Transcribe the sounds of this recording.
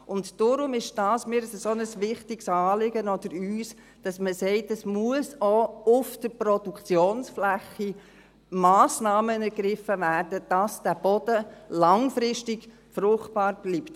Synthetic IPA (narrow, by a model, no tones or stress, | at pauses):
ʊntd̥ɔɾʊmɪʃd̥ɑːsmɪɾsəsɔnəsʋɪχtɪɡsɑːlɪɡənɔd̥əɾyːs | d̥ɑsməsɛɪtɛsmuəsoʊfd̥əɾpɾɔd̥ukt͡sjoːnsflæχi | mɑːsnɑːmənɛɾɡ̥ɾɪfːəvæːrdəd̥ɑsd̥æb̥ɔd̥əlɑŋfɾɪʃtɪɡ | fɾʊχt̚pɑːɾb̥liːpt